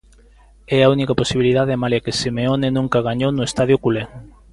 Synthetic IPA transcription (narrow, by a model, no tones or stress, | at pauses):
ɛaunikaposiβiliðaðeamaljakesimeonenũŋkaɣ̞aɲownʊest̪aðjʊkuleŋ